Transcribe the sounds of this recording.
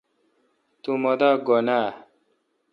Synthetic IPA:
t̪umɔd̪aɡɔna

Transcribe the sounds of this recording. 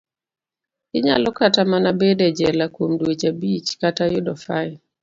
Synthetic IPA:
ɪɲa̰lɔkatamanabedɛd͡ʒɛlakwomdwet͡ʃabit͡ʃkatajʊdɔfajɪ

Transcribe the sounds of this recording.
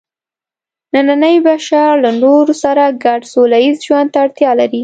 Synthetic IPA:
nananəjbaʃaɾlanoɾosaɾaɡaɖsolajizʒwand̪t̪aːɽt̪jɑlaɾi

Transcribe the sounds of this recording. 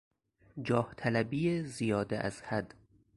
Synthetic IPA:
d͡ʒɒːht̪ʰælæbiːjezijɒːd̪eʔæ̰z̥hæd̪

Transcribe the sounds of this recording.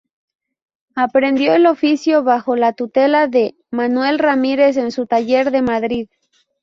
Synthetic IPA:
apɾe̞nd̪jo̞elo̞fisjo̞βaxo̞lat̪ut̪e̞laðe̞ | manwe̞lramiɾe̞s̬e̞nsut̪aʝe̞ɾðe̞maðɾið

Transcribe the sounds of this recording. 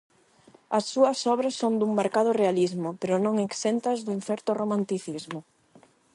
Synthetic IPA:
ɐsːuɐsɔβɾɐsːond̪uŋmaɾkaðʊrealizmʊpeɾʊnõŋeksent̪ɐzðʊinfɛɾt̪oromãnt̪iθizmʊ

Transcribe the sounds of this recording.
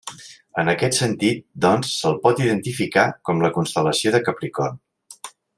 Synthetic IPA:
ənəkɛt̪sənt̪it̪̚d̪ɔnsːəlˠpɔt̪iðənt̪ifikakɔmləkunst̪ələsioðəkəpɾikɔn

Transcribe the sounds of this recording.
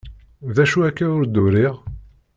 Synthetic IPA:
ðæʃuækːæʊɾd̪ʊɾiʁ

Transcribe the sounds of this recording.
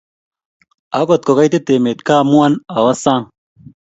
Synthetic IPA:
ɐkot̪̚kokɐjt̪et̪eːmet̪kaːmuwɐnɐwɐsãːŋ

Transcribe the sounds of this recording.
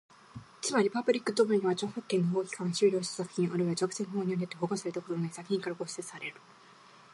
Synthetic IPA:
t͡sɨmaɾʲipabɯ̟ɾʲikːɯ̟t̪obɯɲ̟iβat͡ɕoːhokːẽ̞nːoɦoːkʲi̥kãɰ̃ɕɨːɾʲoːɕt̪ḁsakɯ̟̥çĩɰ̃ʔoɾeat͡ɕokɯ̟̥senoɦoːɲ̟ionet̪ːeɦoɡosaɾe̞t̪akot̪ononaisakɯ̟̥çʲĩŋkaɾaɡoɕseɨ̥saɾe̞ɾɯ̟

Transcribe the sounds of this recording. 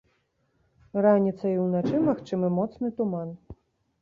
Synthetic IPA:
ranʲit̪sɐiwnat͡ʂɨmaxt͡ʂɨmɨmɔt̪snɨt̪uman

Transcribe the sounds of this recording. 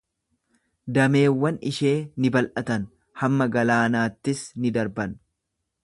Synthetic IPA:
d̪ɐme̞ːwːɐnɪʃe̞ːnɪbɐlʔɐt̪ɐn | hɐmːɐɡɐlaːnaːt̪ːɪsnɪd̪ɐɾbɐn

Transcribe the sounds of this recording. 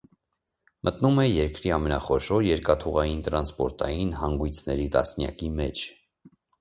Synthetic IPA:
mʔət̪numɛjɛɾkɾiɑmɛnɑχɔʃɔɾjɛɾkɑt̪ʰuʁɑjint̪ɾɑnspɔɾt̪ɑjinhɑŋɡujt͡sʰnɛɾit̪ɑ̰snjɑ̰kimɛt͡ʃʰ

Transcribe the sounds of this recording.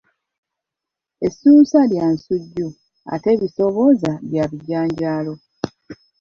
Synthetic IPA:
esuːsaljansuɟːu | a̰te̞ːβiso̞βo̞zaβjaβiɟːaːɲɟaːlo̞

